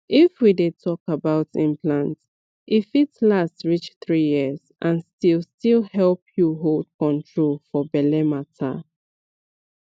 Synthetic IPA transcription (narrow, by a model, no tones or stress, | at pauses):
ifwidetʰɔkabaʊtĩmpʰlãnt | ʔifitlastɹit͡ʃθɹijiz̥ʔãnstilˠstilhɛlpʰjuɦolˠd̥̚kʰɔ̃ntʰɹolˠfɔbɛlɛmatʰa̰